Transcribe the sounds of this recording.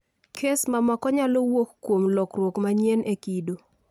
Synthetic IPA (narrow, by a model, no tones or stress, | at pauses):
kʰesmamakɔɲalowokːwomlɔkrwokmaɲenekido